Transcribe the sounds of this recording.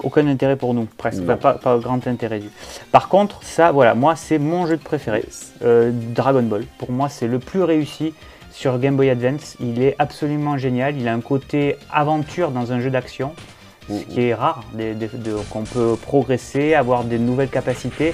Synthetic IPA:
okɛ̃nɛ̃t̪eʁɛpuʁnupχɛskpapapaɡʁɑ̃t̪ɛ̃t̪eʁɛd̪ypaʁkɔ̃t̪χsavwala̰mwasɛmɔ̃ʒød̪əpχefeʁeød̪ʁaɡɔnbɔlpuʁmwasɛləplyʁeysi | syʁɡɛ̃mbɔjad̪vɛ̃t̪ilɛʔabsɔlymɑ̃ʒenjalilaɛ̃kot̪ea̰vɑ̃t̪ʰyʁd̪ɑ̃zɛ̃ʒød̪aksjɔ̃ | əkkiɛʁaʁd̪ed̪ed̪əkɔ̃pøpχɔɡʁeseavwaʁd̪enuvɛlkapasit̪e

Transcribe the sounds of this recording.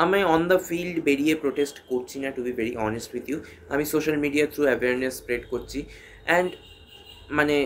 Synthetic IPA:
amaɔnd̪əfilɖbeɽiepɾoʈesʈkoɾt͡ɕʰinaʈubiveɾiʔɔnesʈwid̪ju | a̰misoʃɐlmiɖiat̪ʰɾuɛʋeəɾnesːpɾeɖkoɾt͡ɕʰi | ɛ̃ɳɖ | mane

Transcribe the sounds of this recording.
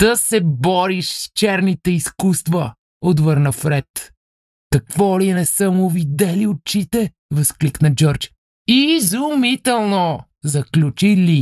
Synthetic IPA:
t̪əsɛbɔɾiʃst͡ʃɛɾnit̪ɛiskust̪və | od̪vəɾnɐfɾɛt̪ | kɐkvɔlinɛsəmʊvid̪ɛliot͡ʃit̪ɛ | vɐskliknəd͡ʒɔɾt͡ʃ | izumit̪ɛlˠno | zɐklʲut͡ʃili

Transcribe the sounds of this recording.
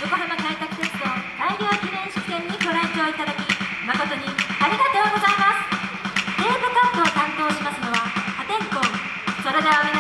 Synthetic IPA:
d͡ʑokoɦabak̪ait̪akɯ̟̥set͡sɨ̥t̪o̞d̪aiɾʲjo̞ːkʲinẽ̞ɰ̃ɕi̥kʲi̥t̪ẽ̞ɲ̟ːikʲo̞ɾaet͡ɕoːit̪ad̪akʲi | mako̞t̪o̞ɲ̟iaɾʲiɡat̪e̞oɡo̞zaimasɨ̥ | d̪eːɡɯkat̪oːk̪ãnt̪o̞ːɕimasɨno̞βahat̪ẽ̞ŋkõŋ | so̞ɾed̪eaomen

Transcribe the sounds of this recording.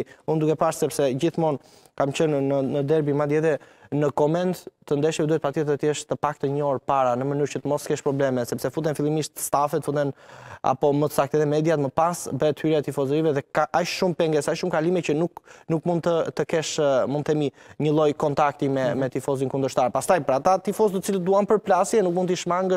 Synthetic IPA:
und̪ukɛpaʃsɛpsɛd͡ʑiθmɔn | kamt͡ɕənːəːəd̪ɛɾbimad̪jɛðɛ | nəkɔmɛnt̪ːənd̪ɛʃiɛd̪uɛt̪̚pat̪iɛt̪ət̪jɛʃt̪əpak̚t̪əɲɔɾpaɾanəmənyɾcət̪əmɔskɛʃpɾɔblɛmɛsɛpsɛfut̪ɛnfilˠimiʃt̪ə̥st̪afɛt̪əfut̪ɛna̰pɔmət̪ə̥sakt̪ɛðɛmɛd̪jat̪məpasbɛt̪hyɾaɛt̪ifɔzɾivɛðɛkaʔaʃʃumpɛŋɡɛsaʃumkalimɛcənuknukmund̪̚t̪ət̪əkɛʃmund̪θɛmiɲəlˠɔjkɔnt̪ak̚t̪imɛmɛt̪ifɔzinkund̪əɾʃt̪aɾpast̪ajpəɾat̪at̪ifɔzt̪ət͡silət̪̚d̪uampəɾplasjɛnuk̚mund̪t̪iʃmaŋɡəʃ

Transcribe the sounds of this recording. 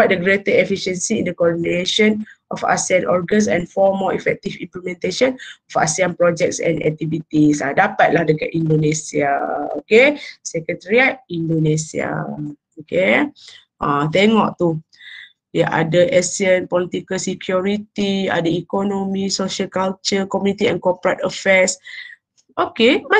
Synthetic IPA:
at̚dəɡɾet̪əɛfiʃə̃nsiĩndəkɔdineʃə̃nʔɔfa̰siãnʔɔɹɡə̃ns̬ɛ̰̃nfɔmɔḭfɛk̚t̪ifḭ̃mplɛmɛ̃nt̪eʃɔ̃nɔfa̰siãnpɹɔd͡ʒɛk̚tsɛ̰̃nɛ̰k̚t̪ivit̪isadapat̪̚lahdəɡɛt̚ĩndonesiao̰kesɛkət̪əɹiat̚ĩndonesia̰ | oke | ʔãt̪ɛŋɔʔ̚t̪u | dɛʔa̰dəʔɛsiə̃npɔlit̪ikəlsikʰjuɹit̪ia̰dəikɔnomisoʃəlkalt͡ʃəkɔmjunit̪iɛ̰̃nkɔpɹat̪əfɛs | ʔokeba

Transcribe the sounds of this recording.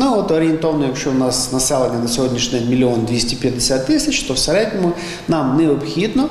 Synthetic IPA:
nuɔt̪ɔɾʲɪent̪ɔʋɐnɔjɐkʃt͡ʃɔʊnɑsnɐsɛlˠenʲːɐnɐsʲɔɦɔdʲnʲiʃnʲɛmʲilʲiɔnd̪ʋʲisʲtʲipʲjɐd̪ːesʲat̪ːɪsʲɐt͡ʃt̪ɔwseɾɛdʲnʲɔmʊ | nɑmnɛɔpxʲid̪nɔ

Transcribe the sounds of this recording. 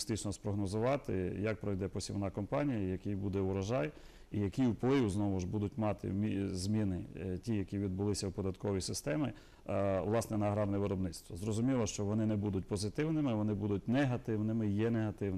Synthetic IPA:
st̪ɪt͡ʃnɔspɾɔɦnɔzʊʋɑt̪ɪ̰jɐk̚pɾɔʋjd̪ɛpɔsʲiwnɑkɔmpɑnʲijɐjɐkʲijbud̪ɛʊɾɐʒɑj | ijɐkʲiwplˠɪʋuznɔʋʊʒbud̪ʊtʲmɑt̪ɪ̰mʲizmʲinɪtʲijɐkʲiʋʲid̪̚bʊlˠɪsʲɐwpɔd̪ɐt̪kɔʋɔjsɪst̪ɛmɪ | ʋlˠɑsnɛnɐːɦɾɑrnɛʋɪɾɔbnɪt̪st̪ʋɐzɾɔzʊmʲilˠɐʃt͡ʃɔʋɔnɪnɛbud̪ʊtʲpɔzɪt̪ɪwnɪmɪʋɔnɪbud̪ʊtʲnɛɦɐt̪ɪwnɪmɪjɛneɦɐt̪ɪwn

